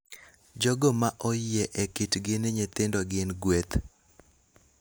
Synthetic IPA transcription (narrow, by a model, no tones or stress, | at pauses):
d͡ʒɔɡomaʔɔjɛʔekitɡɪnɪɲet̪ɪndɔɡɪnɡwet̪